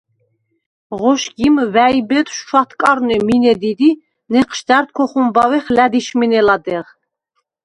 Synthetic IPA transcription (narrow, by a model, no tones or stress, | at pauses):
ʁɔʃɡimvæibɛt̪ʰʼʃʃwat̪ʰkʼaɾnɛminɛd̪id̪i | nɛqʰʃd̪æɾt̪̚kʰɔχumbawɛχlæd̪iʃminɛlad̪ɛʁ